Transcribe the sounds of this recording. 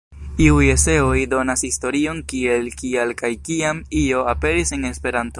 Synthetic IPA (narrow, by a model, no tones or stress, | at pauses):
iujese̞ojdo̞nashisto̞ɾio̞nkie̞lkielkajkiamio̞ape̞ɾise̞ne̞spe̞ɾanto̞